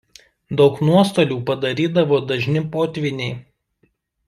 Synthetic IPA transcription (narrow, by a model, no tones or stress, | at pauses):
d̪ɒʊknuɔst̪oːlʲuːpɐd̪ɐɾʲiːd̪ɐʋoːd̪ɐʒʲnʲɪpoːt̪ʲʋʲɪnʲɛɪ